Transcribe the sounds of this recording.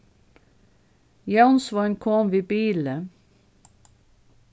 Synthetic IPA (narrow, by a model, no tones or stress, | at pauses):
jɑnsʋɑnkʰɔmʋiːbiːlə